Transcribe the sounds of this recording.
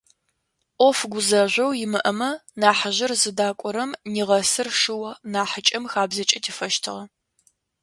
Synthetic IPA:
ʔʷɔfɡʷʊzɐʒʷɐwjɪmɨʔɐmɐnaːħaʑɪrzɨdaːkʷʼɔɾɐmniːʁɐsɨrʂɨwɐnaːħat͡ʃʼɐmxaːbzɐt͡ʃʼɐtʰiːfɐʃtʰɨ̰ʁɐ

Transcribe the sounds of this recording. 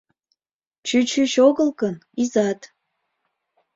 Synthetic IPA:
t͡ʃyt͡ɕʰyʃoɣəlkənizɑt̪

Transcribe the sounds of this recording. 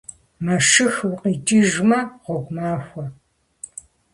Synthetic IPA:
mɐʂɨxwʊqʼiːt͡ʃʼiːʒmɐʁʷɔɡʷʼmaːxʷɔ

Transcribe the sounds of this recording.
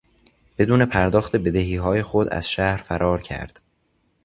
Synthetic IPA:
b̥e̞d̪uːne̞pʰæɾd̪ɒːxt̪ebe̞d̪eɦiːɦɒːje̞xod̪æ̰z̥ʃæhɾfæɾʔɒːɾcʰæ̰ɾd̪̥

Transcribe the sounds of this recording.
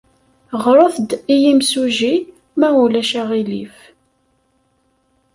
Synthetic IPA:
ʁɾˤoθd̪ijimsuʒi | mæulæʃæʁilḭf

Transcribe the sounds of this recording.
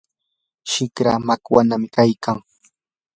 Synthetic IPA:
ʃɪkɾa̰makwanamɪkajkʰaŋ

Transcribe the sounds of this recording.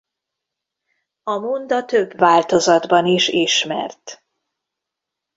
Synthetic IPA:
ɒmond̪ɒt̪øbvaːlt̪o̞zɒd̪bɒniʃiʃmɛ̰rt̪

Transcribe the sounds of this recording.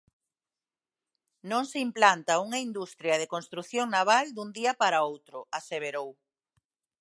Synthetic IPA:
nõŋseimplant̪ɐuŋɐind̪ust̪ɾjɐðekonst̪ɾuθjoŋnaβ̞ald̪und̪iɐpaɾaowt̪ɾʊaseβeɾow

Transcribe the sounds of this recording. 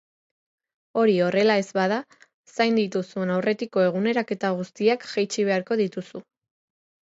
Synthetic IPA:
o̞ɾio̞re̞lae̞zβaða | sajnd̪it̪usue̞nawre̞t̪iko̞e̞ɣ̞une̞ɾake̞t̪aɣ̞ust̪iakʝajt͡ʃiβ̞e̞aɾko̞ðit̪usu

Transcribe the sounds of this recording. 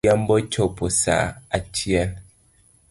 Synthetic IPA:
am̩bɔt͡ʃɔposa̰at͡ʃiɛn

